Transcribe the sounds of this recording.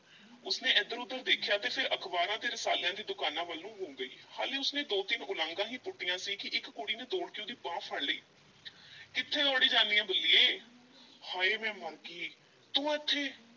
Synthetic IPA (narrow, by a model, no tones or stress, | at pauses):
ʊsneːʔɛd̪əɾʊd̪əɾd̪eːkʰjaːt̪eːpʰɪɾəkʰbaːɾãːd̪eːɾəsa̰ːljãːd̪iːd̪ʊkaːnãːʋəlːũːɦõːɡəiːha̰ːliːʊsneːd̪oːt̪ɪnʊlãːŋɡãːɦiːpʊʈːɪjãːsiːkɪʔɪkːoːɽiːneːd̪oːɽkɪũːd̪iːbãːpʰəɽːḭː | kɪt̪ʰːeːt̪ɔːɽiːd͡ʒãːnd̪ijãːbəlːiːeː | haːeːmɛ̃ːməɾɡiː | t̪õːɛt̪ʰːeː